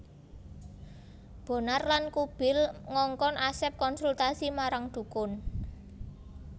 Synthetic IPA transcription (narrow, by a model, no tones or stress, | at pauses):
b̥o̤narlankub̥ɪ̤lŋɔŋkɔnʔasɛp̚kɔnsult̪asimaɾaŋd̪̥ṳkʊn